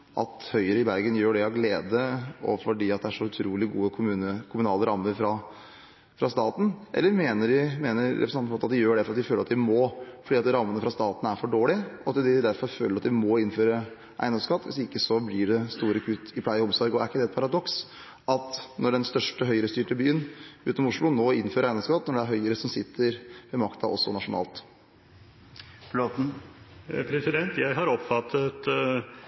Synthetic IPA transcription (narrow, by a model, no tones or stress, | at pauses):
ʔɑ̰t̪hœʏəɾəɪbæɾɡənjøːɖɛɑʋɡleːd̪əɔ̰fɔɖiːɑt̪̚d̪ɛæʂɔʉt̪ʰɾuːlɪɡṵːəkʰʊmʉnəkʰʊmʉnɑːləɾɑmːəɾfɾɑ | fɾɑst̪ɑːt̪n̩ʔɛ̰lːəɾmeːnəɖɪmeːnəɾːɛ̰pɾsnɑnmfɑt̪ːɑt̪d̪ɪjøːɖɛæfɔɾɑt̪d̪ɪføːlɾɑt̪d̪ɪmɔfɔɖiːɑt̪ɾɑmːənəfɾɑst̪ɑːt̪n̩æɾfɔɖoːlɪʔɔɑt̪d̪ɪd̪æɾfɔɾføːləɾɑt̪d̪ɪmɔɪnføːɾə | ʔæɪnɔmskɑt̪ːʋɪ̰sd̪ɛɪkːəsɔblɪɖɛst̪uːɾəkʰʉt̪ːɪpʰlæɪəɔmsɔɾɡɔæɾɪkːəd̪ɛt̪pʰɑɾɑd̪ɔks | ʔɑt̪nɔɖɛnst̪œʂʈəɦœʏəɾəst̪yːʈəbyːənʉːt̪ɔmʊʂɭʊnoːɪnːføːɾæɪnɔmskɑt̪ːnɔɖɛæɾɦœʏəɾəsɔmsɪt̪ʰːəɾʋɛmɑkt̪ɑ̰ʔɔ̰sːɔ̰nɑʂʊnɑ̰ːlt̪ | floːt̪n̩ | pʰɾɛsɪd̪ɛnt̪jæɪɦɑɾɔpfɑt̪ʰːət̪